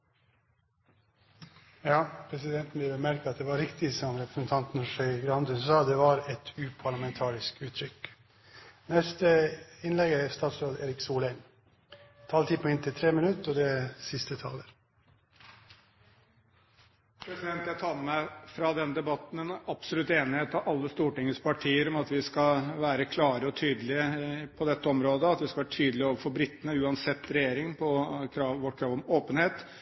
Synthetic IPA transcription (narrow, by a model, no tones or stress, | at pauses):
jɑːpʰɾɛsɪd̪ɛnt̪n̩ʋɪlʋɛmæɾkəɑt̪̚d̪ɛːʋɑɾɪkt̪ɪsɔmɾɛpɾəsən̩t̪ʰɑnt̪n̩ʂœʏɡɾɑnd̪ənsɑːd̪ɛʋɑɾɛt̪ʉːpʰɑɭɑmɛnt̪ʰɑːɾɪskʉːt̪ʰɾʏk | nɛst̪əɪnlɛɡəæst̪ɑːt̪sɾoːd̪eːɾɪksuːlæɪn | t̪ʰɑːlt̪ʰiːpʰɔɪnt̪ʰɪt̪ʰɾeːmɪnʉt̪ɔd̪ɛsɪst̪ət̪ʰɑ̰ːləɾ | pʰɾɛsɪd̪ɛnt̪jæɪt̪ʰɑːəmæɪfɾɑd̪ɛnd̪ɛbɑt̪n̩ɛnɑpsɔlʉt̪ːeːnɪheːt̪ɑʋʔɑlːəst̪uːʈɪŋːəspɑʈʰiːəɾɔmɑt̪ʋɪskɑlʋæːɾəkʰlɑːɾəɔt̪ʰyːd̪əlɪəpʰɔd̪ɛt̪ːəɔmɾoːd̪əɑt̪ʋɪskɑʋæːɾʈ̪ʰyːd̪əlɪoːʋəɾfɔbɾɪt̪ːənəʉːɑnsɛt̪ːɾɛjeːɾɪŋpʰɔkʰɾɑːʋʋɔʈkʰɾɑːʋɔmoːpənheːt̪